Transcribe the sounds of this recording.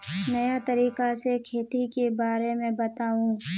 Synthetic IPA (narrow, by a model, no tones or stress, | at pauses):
nɐjat̪ɐɾiːkasekʰeːt̪ikebaːɾemẽbɐt̪aːũː